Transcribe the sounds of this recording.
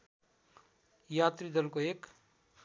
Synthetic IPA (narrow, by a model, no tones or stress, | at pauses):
jat̪rid̪ʌlkoek